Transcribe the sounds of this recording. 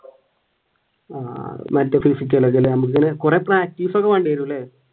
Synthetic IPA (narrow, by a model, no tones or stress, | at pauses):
aːmɐntːefisik̬ʲːɐlːeŋɡilenɐmuk̬ːɨŋɐnekurepːraːk̚tːiːfɐɣɐmaːɳɖeɐɾulːe